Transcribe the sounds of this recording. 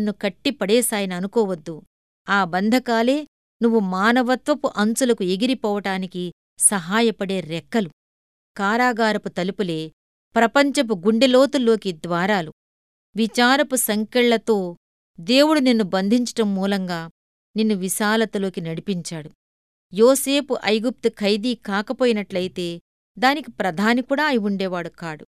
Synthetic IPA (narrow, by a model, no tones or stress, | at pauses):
nːukɐʈːipɐɽeːsaːjɐnɐːnukɔːʋɐd̪ːu | aːbɐnd̪ʱɐkaːle̞ː | nuʋːumaːnɐʋɐt̪ʋɐpuʔɐnt͡ʃulɐkue̞ɡiɾipɔːʋɐʈaːniki | sɐɦaːjɐpɐɽe̞ːɾɛkːɐlu | kaːɾaːɡaːɾɐput̪ɐlipule̞ː | pɾɐpɐɲt͡ʃɐp̬uɡuɳɖelo̞ːt̪ulːo̞ːkid̪ʋaːɾaːlu | ʋit͡ʃaːɾɐpusɐŋkɛɭːɐt̪o̞ː | d̪e̞ːwuɽuninːubɐnd̪ʱiɲt͡ʃɐ̥ʈɐmːuːlɐŋɡaː | ninːuʋiʃaːlɐt̪ulo̞ːkinɐɽipiɲt͡ʃaːɽu | joːse̞ːpuʔɐjɡup̚t̪ukʰɐjd̪iːkaːkɐpoːjinɐʈlɐjit̪e̞ː | d̪aːnikipɾɐd̪ʱaːnikuːɽaːjiʋuɳɖɛːʋaːɽukaːɽṵ